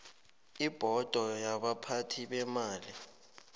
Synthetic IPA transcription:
ib̥ʱɔd̥ʱɔjaɓapʰatʰiɓɛmaːli

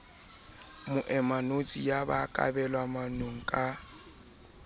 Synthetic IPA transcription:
mʊʔɛmanot͡sʼijabakʼa̰bɛlwamanoŋ̩kʼa

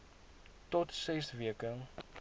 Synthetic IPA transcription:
tɔtsɛsviəkən

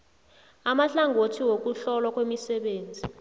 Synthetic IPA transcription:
amaɬaŋʱotʰiwok̬uɬɔlwak̬ʼwemisɛɓeːnd͡zʱi

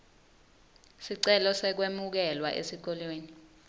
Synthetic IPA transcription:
siǀɛlɔsɛk̬wemuk̬ɛlwa̰ʔḛsik̬ɔlweːni

